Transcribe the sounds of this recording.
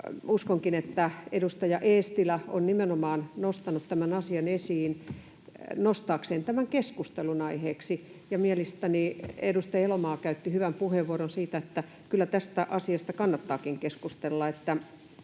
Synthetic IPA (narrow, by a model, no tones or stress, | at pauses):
uskoŋkinet̪ːæedust̪ɑjɑʔeːst̪ilæonnimenomɑːnnost̪ɑnut̪t̪æmænɑsiɑnesiːn | nost̪ɑːkseːnt̪æmæŋkeskust̪elunɑiheːksi | jɑmielest̪æniedust̪ɑelomɑːkæyt̪ːihyʋæmpuheʋuoɾonsiːt̪æet̪ːæ | kylːˑæt̪æst̪æʔɑsiɑst̪ɑkɑnːɑt̪ːɑːkiŋkeskust̪elːɑet̪ːæ